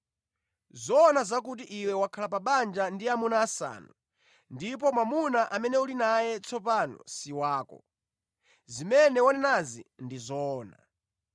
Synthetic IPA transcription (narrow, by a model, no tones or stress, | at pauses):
zɔːnazak̬ut̬iʔiwɛwakʰalapaɓand͡ʒandiamunaːsa̰ːnu | ndip̬ɔmwamunaʔamɛnɛulinajɛt͡sʰɔpanɔ̰siwaːkɔ̰ | zimɛnɛwanɛnazḭndizɔːna̰